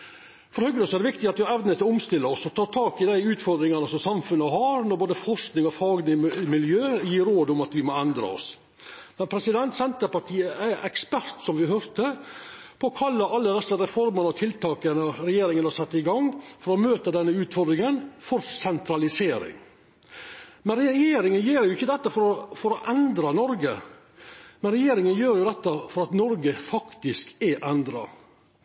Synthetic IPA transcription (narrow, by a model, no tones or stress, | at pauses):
fɔɾhœɡnəsɔɛɾd̪ɛʋɪkt̪ɪɑt̪ʋɪhɑɾɛʋnət̪ʰɪlɔʊmst̪ɪlːəɔsɔt̪ʰɑːɾt̪ʰɑːkɪd̪æɪʉːt̪fɔɾd̪ɾɪŋɑnəsɔmsɑmfʉnːəɦɑɾnɔɾboːd̪əfɔɾsknɪŋɔfɑːɡnɪmɪljøːjiːɾoːd̪ʊmɑt̪ʋɪmɔɛnd̪ɾɑ̰ɔ̰s | mɛnpʰɾɛsɪd̪ɛnt̪sɛnt̪əpɑʈʰiːəʔæɛkspæɾt̪sɔmʋɪɦœɾt̪əpʰɔɔkʰɑlːəɑlːəd̪ɛsːəɾɛfɔɾmənɔt̪ʰɪlt̪ɑːkənəɾɛjeːɾɪŋənɑsɛt̪ːɪɡɑŋfɔɾɔmøːt̪əd̪ɛnːəʉːt̪fɔɾd̪ɾɪŋənfɔɾsɛnt̪ɾɑlɪseːɾɪ̰ŋ | mɛnɾɛjeːɾɪŋənjeːɾjʊɪçːəd̪ɛt̪ːəfɔɾɔfɔɾɔʔɛnd̪ɾɑnɔɾɡə̰ | mɛnɾɛjeːɾɪŋənjøːɾjʊd̪ɛt̪ːəfɔɾɑt̪nɔɾɡəfɑkt̪ɪskɛʔɛnd̪ɾɑ̰